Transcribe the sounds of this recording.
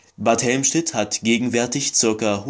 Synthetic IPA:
b̥aɐthɛlmʃnɪthatɡ̥eːɡŋ̩vɛɐtɪçt͡sɪɐkɐh

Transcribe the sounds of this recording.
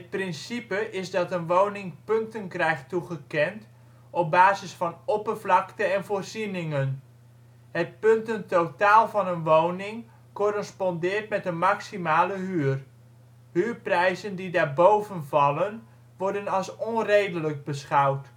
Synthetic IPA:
ət̚prɪnsipəʔɪzdɑtənʋownɪŋpɵntənkrɛjχtuχəkɛnt | ɔp̚baːzɪsfɑnɔpərvlɑktənɛnvoːrzinɪŋən | ɦət̚pɵntəntowtaːlˠvɑnənʋownɪŋ | korəspɔndɪːrtmɛtənmaksimaːləɦyːr | hyːrprɛjzəndidaːɹbowvənvɑlən | ʋɔɹdənɑlˠsɔnrejdələk̚bəsχɑwt

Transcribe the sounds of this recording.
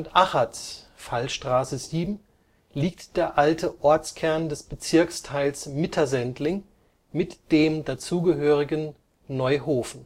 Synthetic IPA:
ʊntʔaχats | falʃtʁ̥aːsəziːbm̩ | liːk̚td̥eːɐʔaltʰəʔɔɐt͡skʰɛɐndɛsb̥ət͡sɪɐkstʰaɪlsmɪtʰɐzɛntlɪŋ | mɪtd̥eːmdat͡suːɡəɦøːʁɪɡənː | ɔʏɦoːfn̩

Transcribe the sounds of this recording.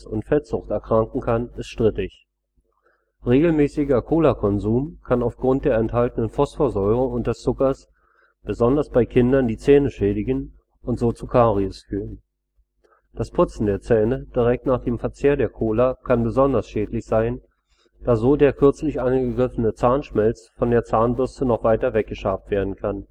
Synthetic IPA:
sʊntfɛz̥ʊχtɛɐkʁ̥aŋkŋ̩kʰanɪstʃtʁ̥ɪtɪç | ʁeːɡl̩mɛːsɪɡɐkʰoːlakʰɔnzuːmkʰanaʊfɡ̥ʁʊnt̚d̥eːɐɛnthaltənənfɔsfoɐzɔʏʁʊŋʊntd̥ɛst͡sʊkɐs | b̥əzɔndɐsb̥aɪkʰɪndɐndiːt͡sɛːnəʃɛːdɪɡən | ʊntz̥oːt͡sukʰaːʁiʊsfyːʁən | d̥aspʰʊt͡sn̩deːɐt͡sɛːnəd̥iʁɛk̚tnaːχd̥eːmfɛɐt͡seːɐdeːɐkʰoːlakʰanbəzɔndɐsʃɛːtlɪçz̥aɪn | d̥aːzoːdeːɐkʰʏɐt͡slɪçʔanɡəɡʁɪfənət͡saːɐnʃmɛlt͡sfɔndeːɐt͡saːnbʏstənɔχv̥aɪtɐvɛk̚ɡ̥əʃaːftv̥eːɐdn̩kʰan

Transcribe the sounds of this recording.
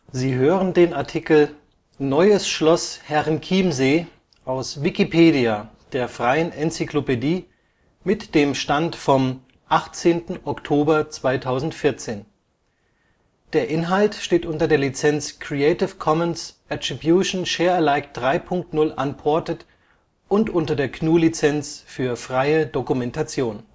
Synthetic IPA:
ziːɦøːʁəndeːnaɐtʰikl̩ | nɔʏəsʃlɔshɛʁɪnkʰiːmzeː | ʔaʊsvikipʰeːdiad̥eːɐfʁ̥aɪənʔɛnt͡siklopediː | mɪtd̥eːmʃtantfɔm | ʔaχt͡seːntn̩ɔktʰoːbɐt͡sv̥aɪtʰaʊzn̩tfɪɐt͡seːn | d̥eːɐʔɪnɦaltʃteːtʔʊntɐdeːɐlit͡sɛnt͡skʁ̥ieɪtɪfkʰɔmənsʔatʁ̥ibjuʃn̩ʃeːɐɛlaɪkd̥ʁaɪpʰʊŋk̚tnʊlʔa̰npʰɔɐtət | ʔʊntʔʊntɐdeːɐkʰnuːlit͡sɛnt͡sfyːɐfʁ̥aɪədokumɛntat͡sjoːn

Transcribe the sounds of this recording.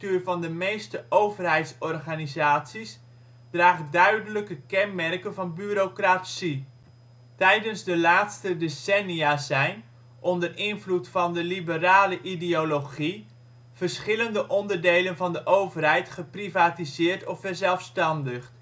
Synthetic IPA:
tyːrvɑndəmejstəʔowvərɦɛjtsɔrχanizaːsis | d̥raːχədœɥdələkəkɛnmɛrkənvɑnbyːɾokrasi | tɛjdənzdəlaːtstədesɛniazɛjn | ʔɔndərʔɪnvlutfɑndəlibəraːləʔideoloχi | v̥ərsχɪləndəʔɔndərdejlənvɑndəʔowvərɦɛjtχəprivaːtizɪːrtɔfɛrzɛlˠfstɑndəχ

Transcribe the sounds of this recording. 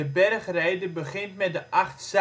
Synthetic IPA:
əbɛrχrɛjdəbəχɪntmɛt̚dəʔɑχts

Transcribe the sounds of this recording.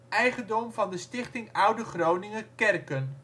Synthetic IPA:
ɛjχəndɔmvɑndəstɪχtɪŋʌwdəχrownɪŋəkɛrkən

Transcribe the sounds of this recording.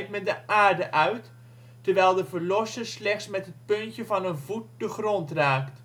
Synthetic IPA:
t̚mɛndəʔaːrdəʔœɥt | təɹʋɛjlˠdəvəɹlɔsəslɛxtsmɛtɦət̚pɵntjəvɑnənvut̚d̥əxrɔntraːkt

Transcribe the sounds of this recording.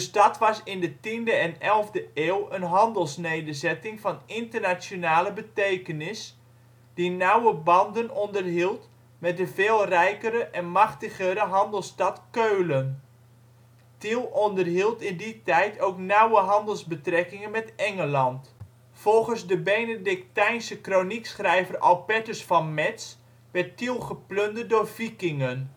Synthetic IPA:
d̥əstɑtʋɑsɪndətindəɛnɛlˠvdəeːlˠənɦɑndəlˠsneːdərzɛtɪŋfɑnɪntərnasjonaːləbətejkənɪs | d̥inawəbɑndənɔndərɦilˠt | mɛdəveːlˠrɛjkəɾəʔɛnmɑχtəɣəɾəɦɑndəlˠstɑtkøːlən | tilˠɔndərɦilˠtɪnditɛjtʰowknawəɦɑndəlˠzbətrɛkɪŋənmɛtɛŋəlɑnt | fɔlˠχənzdəbejnədɪk̚tɛjnsəkroniksχrɛjvərʔɔlˠpɛtəsfɑnmɛts | ʋɛttilˠχəpløndədoːrfikɪŋən

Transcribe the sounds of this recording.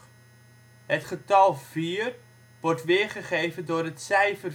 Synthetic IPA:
ɦətχətɑlˠv̥iːr | ʋɔrtʋɪːɹχəχejvəndʊːɾɦətsɛjfər

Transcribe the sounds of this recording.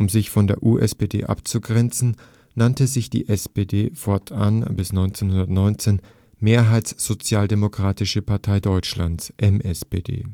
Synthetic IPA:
ʔʊmzɪçfɔndeːɐʔuːʔɛspedḛːʔa̰pt͡suɡʁɛnt͡sn̩ | nantəzɪçd̥ḭːʔɛspeːdeːfɔɐtʰʔa̰nbɪsnɔʏnt͡seːnhʊndɐtnɔʏnt͡seːn | meːɐɦaɪtsz̥ot͡sjaːldemokʁ̥aːtɪʃəpʰaɐtʰaɪdɔʏt͡ʃla̰nt͡sʔɛmʔɛspeːdḛː

